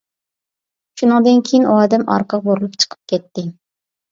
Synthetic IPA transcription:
ʃunɨŋd̪ɨnkʲʰejinʔuɑːd̪ɛmɑ̰ɾqʰəqboɾɨlˠupt͡ʃʰə̥qʰə̥p̚kʲʰɛt̪ːɪ

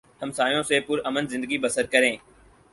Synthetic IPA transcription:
həmsaːjõːseːpʊɾəmənzɪ̃nd̪əɡibəsəɾkəɾẽː

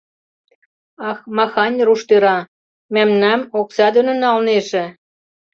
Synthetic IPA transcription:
ɑxmɑxɑnʲruʃt̪øɾɑ | mæmnæmoksɑd̪ø̆nə̆nːɑlneʒĕ

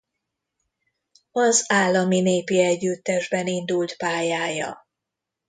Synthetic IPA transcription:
ɒzaːlːɒmineːpiɛɟːyt̪ːɛʒbɛnind̪ult̪paːjaːjɒ̰

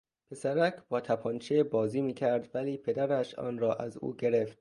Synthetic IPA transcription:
pʰe̞sæɾækʰb̥ɒːt̪ʰæpʰɒːnt͡ʃʰebɒːziːmiːcʲʰæɾd̪væliːpʰe̞d̪æɾæʃɒ̰ːnrɒːʔæzṵːɟe̞ɾeft̪

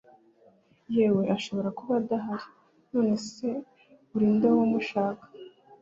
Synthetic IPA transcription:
jeːwe̞ʔaʃo̞βo̞ɾakuβadaɦaɾi | no̞ːne̞se̞ | uɾiːndawomuʃaːkḁ

